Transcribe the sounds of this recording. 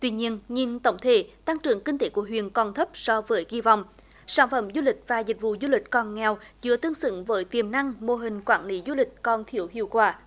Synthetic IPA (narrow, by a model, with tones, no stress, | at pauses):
t̪wi˧ɲi˧ənɲi˧nt̪ə̰˧˦wŋ͡mt̪ʰe˧˩˦t̪a˧ŋt͡ɕɨ̰˨˧˩əŋkï˧ŋ̟t̪e˧˦ku˧˩əɦwḭ˧˨ənkɔ˨˩nt̪ʰə˦˥p̚sɔ˧vəː˨˦jɣi˧va̰˧˨wŋ͡m | saː˧˥˩nfə̰˧˥mzu˧lï˨˩k̟̚vaː˨˩zi˨˩k̟̚vṵ˧˨zu˧lï˨˩k̟̚kɔ˨˩nŋɛ˨˩wzɨ̰˧˥ət̪ɨ˧əŋsɨ̰˧˥ŋvəː˨˦jt̪i˨˩əmna˧ŋmo˨˩ɦï˨˩ŋ̟kwaː˧˩nli˨˦zu˧lï˨˩k̟̚kɔ˨˩nt̪ʰi˧˩əwhḭ˧˨əwkwaː˧˩